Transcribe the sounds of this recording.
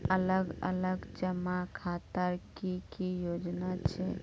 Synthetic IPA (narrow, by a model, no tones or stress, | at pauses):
ələɡə̰ləɡd͡ʒəmakʰat̪əɾkikijod͡ʒnat͡ʃʰe